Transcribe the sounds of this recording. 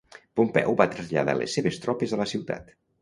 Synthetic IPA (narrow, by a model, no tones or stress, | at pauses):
pumpɛ̰wbat̪ɾəzʎa̰ða̰lḛsːeβest̪ɾɔpezələsiwt̪a̰t̪